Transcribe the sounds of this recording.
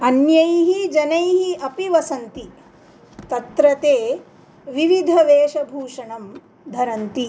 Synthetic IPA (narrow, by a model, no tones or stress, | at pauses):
ɐnjɐjɦid͡ʒɐnɐjɦiʔɐpiʋɐsɐnt̪i | t̪ɐt̪ɾɐt̪eː | ʋiʋid̪ʱɐʋeːʃɐbʱuːʂɐɳɐm | d̪ʱɐɾɐnt̪i